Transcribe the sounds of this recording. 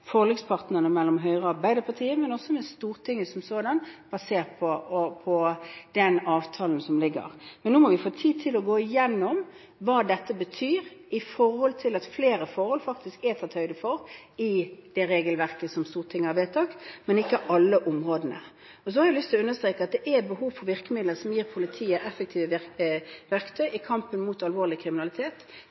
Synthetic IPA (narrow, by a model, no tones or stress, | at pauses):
fɔʁlɛɡspʰɑʁt̪nəʁnəmɛlːɔmɦœʏʁəɑʁbæɪd̪əpʰɑt̪ʰiːəmɛnɔsɔmɛst̪uːʁt̪ʰɪŋːəsɔmsoːd̪ɑnb̥ɑseːʁpʰɔɔpʰɔd̪̥ɛnɑːʋt̪ʰɑːln̩sɔmlɪɡə̰ʁmɛnːuːmɔʋɪfoːt̪ʰiːd̪̚t̪ʰɪlɔɡoːɪjɛnːɔm | ʋɑːd̪ɛt̪ːəbət̪ʰyːɾɪfɔɾhɔlt̪ʰɪlɑt̪fleːɾəfɔɾhɔlfɑk̚t̪ɪskætɑt̪ʰœʏd̪əfɔʁ | ɪd̪̥ɛɾeːɡəlʋæʁkəsɔmst̪uːʁət̪ʰɪŋːəɑʋeːt̪ʰɑːkmɛnɪkːəʔɑlːəʔʊmʁoːd̪nə̰ | ɔs̬ɔhɑɾɛɪlʏst̪ʰɪlɔʉnːəst̪ɾʁeːkəɑt̪̚d̪ɛʔɛbəɦuːʋfɔɾʋɪʁkəmɪd̪ləsɔmjiːʁpʰʊlɪt̪ʰiːəʔɛfək̚t̪ʰiːʋə | ʋæʁkt̪ʰœʏɪkʰɑmpənmʊt̪ɑlʋoːʁlɪkʰɾɪmɪnɑlɪt̪ʰeːt̪